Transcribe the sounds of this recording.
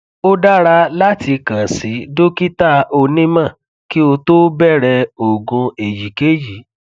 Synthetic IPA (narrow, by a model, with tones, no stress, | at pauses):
o˦da˦ɾa˧˦la˦ti˧kã˨si˨˦do˦ki˦ta˦o˧nĩ˦mã˦˨ | ki˦o˧to˦bɛ˦˨ɾɛ˧o˨ɡũ˧e˨ji˨ke˦ji˨˦